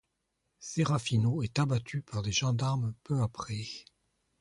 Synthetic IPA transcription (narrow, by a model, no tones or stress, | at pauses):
seʁafinoɛt̪abat̪ʰypaʁd̪eʒɑ̃d̪aʁmpøapχɛ